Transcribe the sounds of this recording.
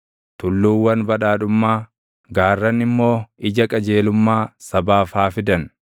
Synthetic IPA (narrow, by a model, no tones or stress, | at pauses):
t̪ʊlːuːwːɐnbɐᶑaːᶑʊmːaː | ɡaːrːɐnɪmːo̞ːʔɪd͡ʒɐkʼɐd͡ʒe̞ːlʊmːaːsɐbaːfaːfɪd̪ɐn